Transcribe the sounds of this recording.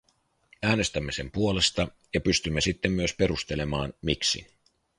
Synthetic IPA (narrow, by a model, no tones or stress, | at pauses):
æːne̞st̪æmːe̞se̞mpuole̞st̪ɑ | jɑpyst̪ymːesit̪ːemːyøspe̞ɾust̪e̞le̞mɑːnmiksḭ